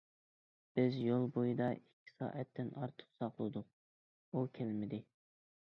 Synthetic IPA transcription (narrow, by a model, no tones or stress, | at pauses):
b̥ɪzjolˠbojid̪ɑikʲʰːi̥sɑ̰ːʔɛt̪ʰːɪnʔɑɾt̪ʰʊ̥χsɑqlˠɨd̪ʊq̚ | ukʲʰɛlmɪd̪ɪ